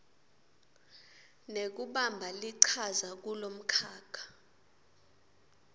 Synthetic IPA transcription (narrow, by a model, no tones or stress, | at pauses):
nek̬uɓambʱaliǀʰazak̬ulom̩kʰaːkʰḁ